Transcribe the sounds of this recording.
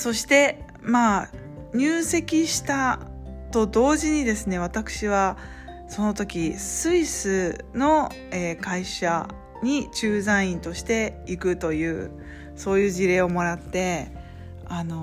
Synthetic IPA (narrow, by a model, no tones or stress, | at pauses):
so̞ɕi̥t̪e̞ | maː | ɲ̟ɨːse̞kʲiɕi̥t̪a | t̪o̞d̪o̞ːʑiɲ̟id̪e̞sɨne̞β̞at̪akɯ̟̥ɕiβa | so̞no̞t̪o̞kʲisɨisɨno̞ | eːkaiɕa | ɲ̟it͡ɕɨːzãɰ̃ĩnt̪o̞ɕi̥t̪e̞ikɯ̟t̪o̞jɯ̟ː | so̞ːjɯ̟ːʑiɾe̞ːo̞mo̞ɾat̪ːe̞ | ano̞